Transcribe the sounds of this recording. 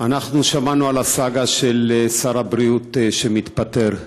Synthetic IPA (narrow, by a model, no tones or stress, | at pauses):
anaχnuʃamanualasaɡaʃelsaʁabʁiut̪ʃemit̪pat̪e̞ʁ